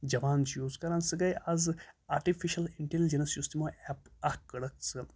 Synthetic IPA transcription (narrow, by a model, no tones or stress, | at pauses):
d͡ʒɐʋaːnt͡ʃʰjuːzkɐɾansɨɡɐjazaːɾʈifʰiʃɐliɳʈelid͡ʒensjust̪imoʔɛpakːɐɽɐk̚sɨ